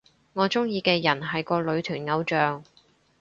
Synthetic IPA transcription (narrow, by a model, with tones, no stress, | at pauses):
ŋɔː˨˧t͡sʊ˥ŋjiː˧kɛː˧jɐ˨˩nɦɐ˨jkɔː˧lɵ˨˧ɥt̪ʰyː˨˩nŋɐ˨˧wt͡ʃœː˨ŋ